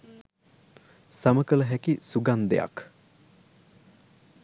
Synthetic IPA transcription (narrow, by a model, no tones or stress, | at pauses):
saməkələɦækisuɡand̪ḛja̰k